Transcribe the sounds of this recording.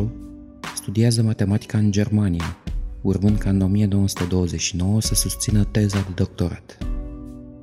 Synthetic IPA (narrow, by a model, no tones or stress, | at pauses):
u | st̪ud̪iazəmat̪e̞mat̪i̥kaɨnd͡ʒe̞rmanijaurmɨnd̪̚kaɨno̞mijeno̞wəsu̥t̪ed̪o̞wəze̞t͡ʃʲʃino̞wəsəsust̪sinət̪e̞zad̪e̞d̪o̞k̚t̪o̞ɾa̰t̪